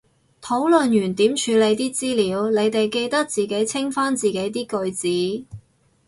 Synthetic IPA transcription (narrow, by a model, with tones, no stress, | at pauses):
t̪ʰo˨˥wlɵ˨njyː˨˩nt̪iː˨˥mt͡ʃʰyː˨˧le˨˧jt̪iː˥t͡siː˥liː˨˧wle˨˧jt̪e˨jke˧jt̪ɐ˥k̚t͡siː˨ke˨˥jt͡sʰɪ˥ŋfaː˥nt͡siː˨ke˨˥jt̪̬iː˥kɵ˧ɥt͡siː˨˥